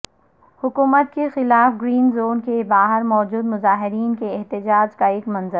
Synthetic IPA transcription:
hʊkuːmət̪̚kexɪlaːfɡɾiːnzoːnkebaːɦɪɾmɔːd͡ʒuːd̪mʊzaːɦɪɾiːnkeɛɦt̪ɪd͡ʒaːd͡ʒkaeːkmɐ̃nzəɾ

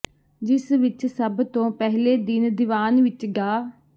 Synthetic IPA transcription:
d͡ʒɪsʋɪt͡ʃsəbt̪õːpɛɦleːd̪ɪnd̪ɪʋaːnʋɪt͡ʃɡaː

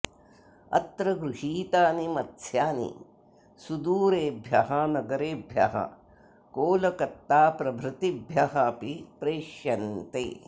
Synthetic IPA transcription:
ɐ̰t̪ɾɐɡɾuʂiːt̪aːnimɐt̪sjaːnḭ | sud̪uːɾeːbʱjɐɦɐnɐɡɐɾeːbʱjɐ̰ɦɐ̰ | koːlɐkɐt̪ːaːpɾɐbʱɾɪt̪ibʱjɐɦɐpipɾeːʃjɐnt̪ḛː

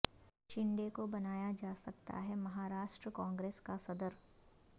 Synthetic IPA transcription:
ʃɪ̃ɳɖekobɐnaːjad͡ʒaːsɐk̚t̪a̰ɦɛmɐɦaːɾaːʃʈɾəkãːŋɡɾeːskasɐd̪əɾ

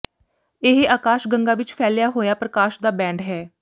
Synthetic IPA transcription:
ɪɦeʔaːkaːʃɡəŋɡaːʋɪt͡ʃpʰɛːljaːɦoːjaːpɾəkaːʃd̪aːbɛ̃ːɳɖɦɛː

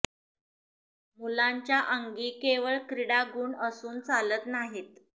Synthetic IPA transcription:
mulaɲt͡ɕjaʔəŋɡiːkeʋəɭkɾiɽaɡuːɳəsuːnt͡salət̪naɦet̪

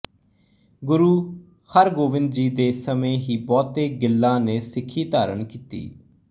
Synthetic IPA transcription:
ɡʊɾuː | həɾɡoːʋɪ̃nd̪d͡ʒiːd̪eːsəmẽːɦiːbɔːt̪eːɡɪlːãːneːsɪkʰːiːt̪aːɾənkiːt̪ḭː

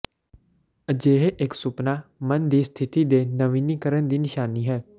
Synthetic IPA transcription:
əd͡ʒeːɦeʔɪksʊpnaːmənd̪iːst̪ʰɪt̪iːd̪eːnəʋiːniːkəɾənd̪iːnɪʃaːniːɦɛː

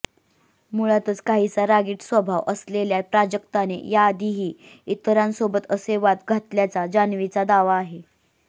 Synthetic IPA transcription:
muɭat̪ət͡skaɦit͡saɾaɡiːʈsʋəbʱaʋʔəsleljapɾad͡ʑəkt̪anḛjaːd̪ʱiɦiː | it̪ɾãnsobət̪əseʋat̪ɡʱat̪ljat͡sad͡ʑanʋit͡sad̪aʋaːɦe

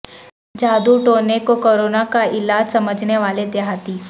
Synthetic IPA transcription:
d͡ʑad̪uʈonekokoɾonakaʔilad͡ʒsəməd͡ʒʱneʋaled̪eɦat̪iː

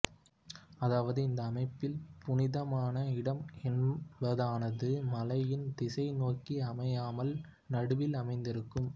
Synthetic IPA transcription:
ɐðaːʋɐðɯɪnd̪ɐːmɐɪpːɪlpʊnɪðɐmaːnɐɪɽɐmɛnbɐðaːnɐðɯmɐlɐjɪnd̪ɪsɐɪnoːkːiɐmɐjaːmɐl | nɐɽɯʋɪlɐmɐɪnd̪ɪɾɯkːɯm

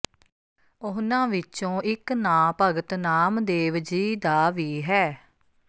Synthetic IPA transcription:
ʊɦnãːʋɪt͡ʃõːʔɪknãːpəɡət̪naːmd̪eːʋd͡ʒiːd̪aːʋiːɦɛː

